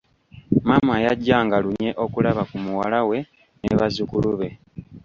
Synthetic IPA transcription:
mamajaɟːaːŋɡaluɲe̞ʔo̞kulaβakumuwalawe̞ | neβazukuluβe̞

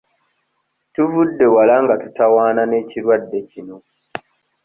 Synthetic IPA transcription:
tuvudːe̞walaŋɡatutawaːnane̞ːciɾwadːe̞cino̞

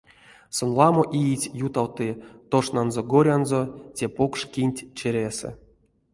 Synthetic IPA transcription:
sonlˠɑmoʔijitʲjut̪awt̪ɨt̪oʂnanzoɡoɾʲanzotʲepokʂkʲinʲtʲt͡ʃeɾʲesɛ̰

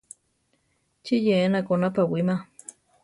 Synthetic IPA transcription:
t͡ʃijeːnakonapawima

